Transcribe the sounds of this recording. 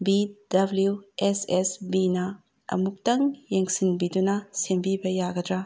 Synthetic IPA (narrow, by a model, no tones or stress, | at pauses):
bid̥ɐbljuesesbinɐ | ɐ̰muk̚tɐŋjeŋsinbidunɐsembibɐjaɡɐdɾa